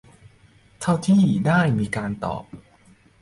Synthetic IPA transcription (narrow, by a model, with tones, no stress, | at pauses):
t̪ʰa˥˩wt̪ʰiː˥˩daː˥˩jmiː˧kaː˧nt̪ɔ̰ː˨˩p̚